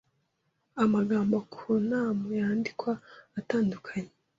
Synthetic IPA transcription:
amaɡaːmbokʰonamujaːndikwaːtaːndukʰaɲe

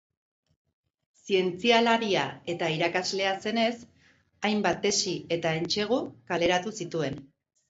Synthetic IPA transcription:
sie̞nt͡sialaɾiae̞t̪aiɾakazle̞ase̞ne̞s | ajmbat̪̚e̞sie̞t̪ae̞nt͡ʃe̞ɣ̞ukale̞ɾat̪usit̪ue̞n

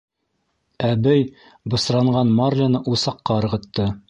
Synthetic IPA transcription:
æbæj | bɤ̆sɾɑɴɢɑnmɑrlʲanɤʔusɑqːɑɤ̆ɾʁɤ̆t̪ːɤ

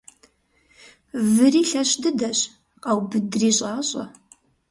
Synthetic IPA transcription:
vɨriːɬɐɕdɨdɐɕ | qɐwbɨdriːɕʼaːɕʼɐ̰

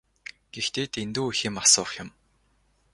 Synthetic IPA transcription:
ɡ̥ext̪eːt̪ʰent̪uːuxiːmasʊːχjɪ̆m

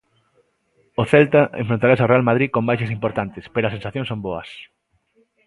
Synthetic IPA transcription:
oθɛlt̪ɐʔḛɱfɾõnt̪aɾasaʊrealmað̞ɾiðkombajʃɐsimpoɾt̪ant̪ɪspeɾoɐsensaθjõnsõmboɐ̰s

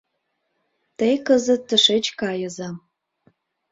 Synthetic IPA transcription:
t̪əjkəzət̪ːəʃet͡ɕkɑjəzɑ

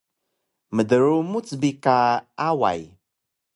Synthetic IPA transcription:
mədəɾumut͡sbikaawa̰j

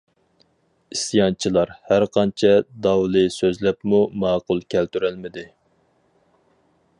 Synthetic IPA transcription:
isjɑnt͡ʃʰilˠɑɾhæɾqʰɑnt͡ʃʰɛd̪ɑwlˠɨsøzlɛpmumɑːqʊlˠkʲʰælt̪yɾɛlmɪd̪ɪ

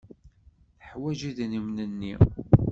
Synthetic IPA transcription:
θəħwæʒiðnimnənːi

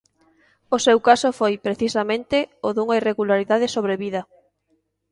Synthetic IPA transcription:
osewkasofojpɾeθisamẽnt̪ɪoðuŋaireɣulaɾiðaðesoβ̞ɾeβiðɐ

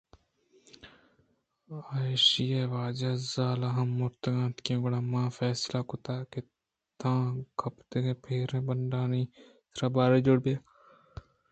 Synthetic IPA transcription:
aːʃijaːʋaːd͡ʒaːzaːlaːɦɐmːʊɾt̪ɡãːt̪kẽɡʊɽaːmãːfɛːslakʊt̪aːke | t̪ãːɡʰʱɐpt̪eẽpʰeːɾẽːbəɳɖaːni | t̪ɾaːbaːɾed͡ʒoɽbaː

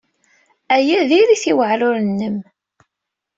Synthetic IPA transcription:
æjæðiɾiθiwəʕlʊɾənːəm

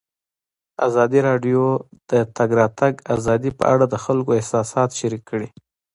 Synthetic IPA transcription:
a̰zɑd̪iɾɑɖjod̪̥ət̪aɡɾɑt̪aɡazɑd̪ipə̰ʔaɽad̪əxalkoɪhsɑsɑt̪ʃaɾikːəɽi

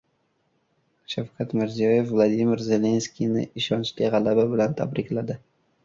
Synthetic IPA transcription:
ʃafkʰat̪mɪɾzijɒje̞fvlˠad̪imɪɾze̞le̞nskʲinɪ̰ɪʃɒnt͡ʃlʲiʁɑlˠababɪlant̪ʰa̰bɾɪkʲlad̪ɪ

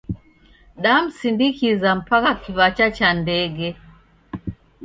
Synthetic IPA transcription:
ɗam̩sindikizam̩pakakivat͡ʃat͡ʃandɛɡɛ

